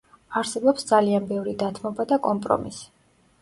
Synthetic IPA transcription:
aɾsɛbɔpsd̪zalianbɛvɾid̪at̪ʰmɔbad̪akʼɔmpʼɾɔ̰mḭsi̥

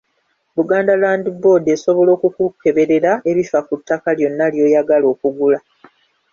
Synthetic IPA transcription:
βuɡaːndalaːndibo̞ːde̞so̞βo̞lo̞ːkukuke̞βe̞ɾe̞ɾae̞βifakutːakaljo̞nːaljo̞ːjaɡalo̞ːkuɡula

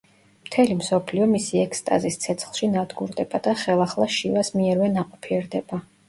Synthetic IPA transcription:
mt̪ʰɛlimsɔpʰliɔmisiɛkst̪ʼa̰zist̪sʰɛt̪sʰχlˠʃinad̪ɡṵɾd̪ɛb̥ad̪̥aχɛlˠaχlˠaʃivasmiɛɾvɛnaqʼɔpʰiɛɾd̪ɛba

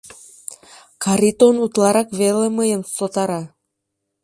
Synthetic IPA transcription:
kɑɾit̪onut̪lɑɾɑkβeleməjəmsot̪ɑɾɑ

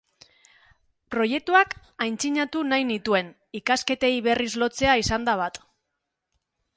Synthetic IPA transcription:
pɾo̞je̞k̚t̪uak | ajnt͡siɲat̪unajnit̪ue̞n | ikaske̞t̪e̞jβe̞rizlo̞t͡se̞aisand̪aβ̞at̪

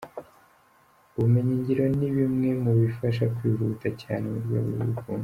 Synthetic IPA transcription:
uβume̞ɲiɲɟiɾo̞niβimŋe̞muβifaʃakwiːɾutacaːnemuɾɟo̰βuɾṵukuːnu

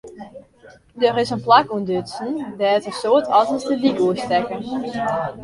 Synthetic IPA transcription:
dørɪsənplakuəndøtsn̩dɛːtəsoətʰɑtəsdəbikuəstɛkə

